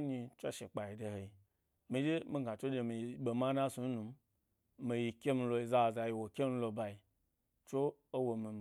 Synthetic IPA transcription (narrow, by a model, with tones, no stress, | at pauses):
ni˧t͡ʃʷo˦ʃe˨k͡pa˨i˨de˧he˨i˨ | mi˧d͡ʒe˦mĩ˧˦ɡa˨t͡ʃʷo˦de˧mi˨˦ɓe˨ma˦na˦su˧n˦nu˧m˦ | mi˨ji˧kʲe˦mi˧lo˧i˧za˦˨za˧˨ji˧wo˨kʲe˦mi˧˦lo˧ba˧i˧ | t͡ʃo˦ | o˦wo˧mi˨˧m˨